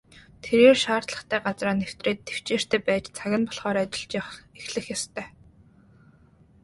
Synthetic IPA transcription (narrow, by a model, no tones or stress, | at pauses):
t̪ʰeɾeːrʃaːrt̪ɮə̥̆χt̪ʰæːɢat͡sraːnew̥t̪reːt̪ːew̥t͡ɕeːr̥t̪ʰæːpæːt͡ɕt͡sʰaɣʲɪ̆npɔɮχɔːɾat͡ɕɪ̆ɬt͡ɕaexɮɘ̆xjast̪ʰœː